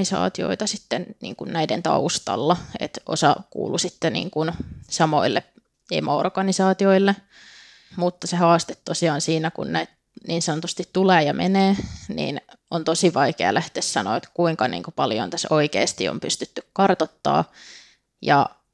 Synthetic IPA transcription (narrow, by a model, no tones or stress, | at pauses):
isɑ̰ːt̪io̰it̪ɑsit̪ːennḭːŋkunnæident̪ɑ̰ust̪ɑ̰lːɑḛt̪ʔo̰sɑkṵːlusit̪ːenḭːŋkunsɑmo̰ilːe | ḛmoo̰rɡ̥ɑnisɑːt̪ioilːe | mut̪ːɑsehɑːst̪e̥t̪tosiɑːnsiːnækṵnnæit̪ | niːnsɑnot̪ust̪it̪t̪uleːjɑmʔḛneːnḭːnont̪osiʋɑikeɑ̰lʔæht̪eːssɑno̰ːet̪kuiŋkɑnḭːŋkupɑljo̰nt̪æsoikḛːst̪io̰mpyst̪yt̪ːykkɑrt̪ot̪ːɑ̰ː | jɑ